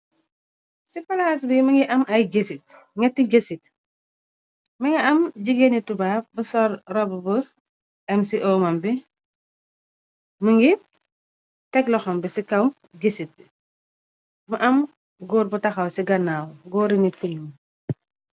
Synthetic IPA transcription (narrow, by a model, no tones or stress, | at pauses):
sipɐlaːs̬bimɐŋɡiʔɐmʔɐjɟesit̚ | ŋɛtːiɟesit̚ | mɐŋiɐmɟiɡenitubaːbəsɔrrɔbbə | ɛmsiʔɔmɐmbi | məŋɡi | tɛklɔxɔmbisikɐw | ɟesit̚bi | mɐʔɐm | ɡɔːɾ̚butɐxɐwsiɡɐnːaːwɡɔːɾinikunu